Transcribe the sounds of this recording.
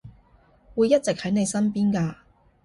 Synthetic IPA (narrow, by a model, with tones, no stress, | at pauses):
wuː˨˧jːɐ˥t̚t͡sɪ˨k̚hɐ˨˥jne˨˧jsɐ˥npiː˥nkaː˧